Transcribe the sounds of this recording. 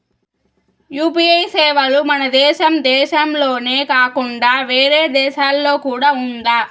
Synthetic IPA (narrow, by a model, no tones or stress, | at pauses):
juːpiɐjsɛːʋɐlumɐnɐd̪ɛːʃɐmd̪ɛːʃɐmlo̞ːneːkaːkuɳɖaːʋeːɾeːd̪ɛːʃaːlːo̞ːkuːɽaːund̪aː